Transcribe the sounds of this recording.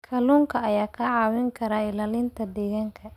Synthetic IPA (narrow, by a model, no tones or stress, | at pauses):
kʰɐluːŋkʰɐɐjaːkʰɐʕɑːwɪŋkʰɐɾaːɪlaːlɪnt̪ʰɐd̪ɛːɣaːŋkʰɐ